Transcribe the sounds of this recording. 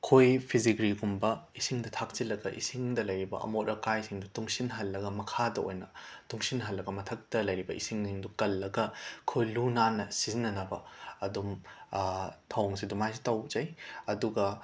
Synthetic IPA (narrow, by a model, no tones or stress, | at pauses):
kʰojpʰizikɾiɡumbɐisiŋdɐtʰak̚t͡ʃilːɐɡɐʔḭsiŋdɐlɐjɾibɐ̰ʔɐ̰mot̚ɾʔɐkajsʰiŋdutuŋsinɦɐlːɐɡɐmɐkʰadɐo̰jnɐtuŋsinɦɐlːɐɡɐmɐtʰɐk̚tɐlɐjɾibɐʔḭsiŋniŋdukɐlːɐɡɐkʰojlunanːɐsizinːɐnɐbɐɐdum | tʰɐwŋsidumajs̬i̥tɐwzɐjɐduɡɐ